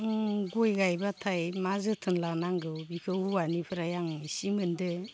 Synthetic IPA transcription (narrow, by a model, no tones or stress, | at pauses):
ɡojɡajbatʰajmazɯtʰɯnlanaŋɡɯwbikʰɯuanipʰɯɾajaŋisimɯndɯ